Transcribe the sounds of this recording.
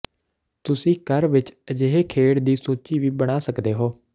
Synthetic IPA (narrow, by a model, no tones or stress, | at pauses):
t̪ʊsĩːkəɾʋɪt͡ʃəd͡ʒeːɦeːkʰeːɽd̪iːsoːt͡ʃiːʋiːbəɽ̃aːsəkd̪eːɦoː